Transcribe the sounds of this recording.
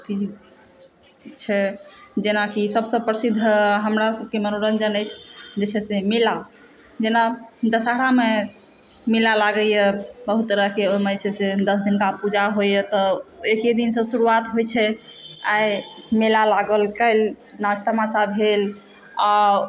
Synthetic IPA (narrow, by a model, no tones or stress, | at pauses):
t̪i | t͡ʃʰɛd͡ʒenakisəbsəbpɾəsid̪ʱːɦəmɾasəb̚kemənoɾənd͡ʒənəjt͡ʃʰd͡ʒet͡ʃʰɛsemela | d͡ʒenad̪əsaɽame | melalaɡəjɛbəɦut̪ɾəɦkeomət͡ʃʰɛsed̪əsd̪inkapud͡ʒaɦojɛt̪ɔeked̪insə̃suɾuat̪ɦojt͡ʃʰɛajmelalaɡəlkəɪl | nad͡ʒʰt̪amasabɦel | a